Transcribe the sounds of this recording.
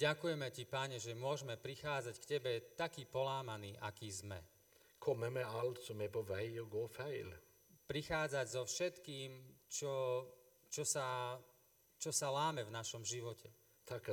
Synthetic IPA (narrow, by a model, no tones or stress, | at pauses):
ɟakujɛmɛcipaɲɛʒɛmʊɔʒmɛpɾixaːd͡zackcɛbɛt̪akiːpɔlaːmaniːʔakiːzmɛ̰ | kʰɔmɛmɛalt̪sɔmɛpɔʋæɪɔɡoːfæɪl | pɾixaːd͡zaɟzɔfʃɛt̪kiːmt͡ʃɔ | t͡ʃɔsa | t͡ʃɔsalaːmɛvnaʃɔmʒiʋɔcʰɛ | t̪ʰak